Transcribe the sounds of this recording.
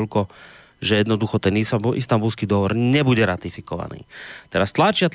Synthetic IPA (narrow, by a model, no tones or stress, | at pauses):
ʎkɔ | ʒɛjɛd̪nɔd̪uxɔt̪ɛniʔḭst̪ambulskiːd̪ɔɦɔʋɔɾɲɛbuɟɛɾat̪ifikɔʋa̰nḭːt̪ɛɾast̪lat͡ʃɪat̪